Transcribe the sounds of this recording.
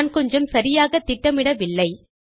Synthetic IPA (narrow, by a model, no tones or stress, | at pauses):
nkɔɲd͡ʒɐmsɐɾɪjaːɣɐt̪ːɪʈːɐmɪɽɐʋɪlːɐɪ